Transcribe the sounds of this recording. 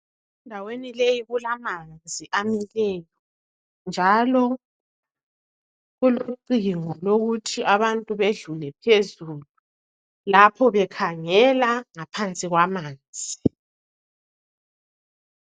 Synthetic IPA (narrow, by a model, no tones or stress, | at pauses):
ɛndʱawenilejiβulamand͡zʱiʔamilɛːjɔ | nd͡ʒʱalɔ | ɣuluǃiŋɔloɣutʰiʔaβantʼuβeɮulɛpʰezulu | lapʰɔβɛkʰaŋɛlaŋapʰant͡sʼiɣwamaːnd͡zʱi